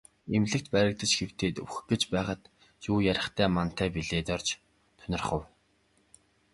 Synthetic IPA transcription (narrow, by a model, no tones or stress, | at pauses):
emɮɘ̆k̚t̪pæɾʲɪ̆k̚t̪ə̆t͡ɕɡew̥t̪eːt̪ɵ̰wxɡ̥et͡ɕpæːχə̆t̪ | juːjæɾʲɪ̆χt̪ʰæːman̥t̪ʰæːpiɮeːt̪ɔrt͡ɕ | t̪ʰœnʲɪ̆rχə̆w